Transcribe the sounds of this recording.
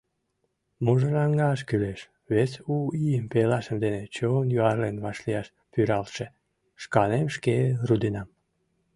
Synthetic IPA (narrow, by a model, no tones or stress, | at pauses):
moʒəlɑŋɡɑʃ̬kyleʃ | βet͡suijəmpelɑʃəmd̪enet͡ɕonjoɑrlenβɑʃliɑʃ | pyɾɑlʃe | ʃkɑnemʃkerud̪inɑm